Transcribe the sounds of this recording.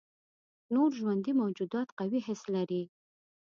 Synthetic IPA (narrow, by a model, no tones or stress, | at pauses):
noɾʒwand̪imawd͡ʒud̪ɑt̪qawiɦɪslaɾi